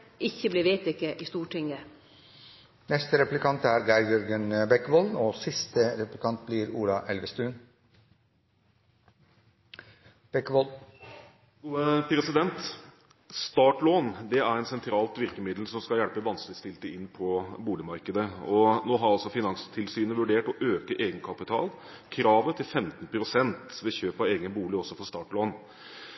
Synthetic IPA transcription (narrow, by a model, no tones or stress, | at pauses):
ʔɪçːəblɪʋeːt̪ɪkːəʔɪst̪uːʈʰɪŋə | nɛst̪əɾɛplɪkʰɑnt̪æːɾɡæɾjɔɾɡənbɛkːʋoloːsɪst̪əɾɛplɪkʰɑnt̪̚blɪɾṵːlɑʔɛlʋəst̪ʉːn | b̥ɛkːʋol | pʰɾɛsɪd̪ɛnt̪ | st̪ɑːʈloːnd̪ɛæɾɛnsɛnt̪ʰɾɑːlt̪ʋɪɾkəmɪd̪l̩sɔmskɑljælpəʋɑnskəlɪst̪ɪlt̪əɪnːpʰɔbuːlɪmɑɾkəd̪əɔnoːɦɑɾɑlsɔfɪnɑnst̪ʰɪlsyːnəʋʉɖeːʈɔʔøːkəʔeːɡənkʰɑpɪt̪ʰɑ̰ːl | kʰɾɑːʋət̪ʰɪlfɛmt̪n̩pʰɾʊsɛnt̪ʋɛçøːpɑʋeːɡənbuːlɪɔsːɔfɔst̪ɑːʈloːn